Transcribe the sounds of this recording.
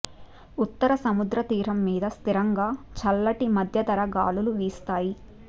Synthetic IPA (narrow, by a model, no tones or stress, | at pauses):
ut̪ːɐɾɐsɐmud̪ɾɐt̪iːɾɐmːiːd̪ɐst̪iɾɐŋɡaːt͡ʃɐlːɐʈimɐd̪ʱjɐt̪ɐɾɐɡaːluluʋiːst̪aːji